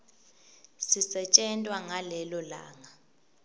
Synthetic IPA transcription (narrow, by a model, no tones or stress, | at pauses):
sisɛt͡ʃʼɛntʼwaŋalɛlɔla̰ːŋa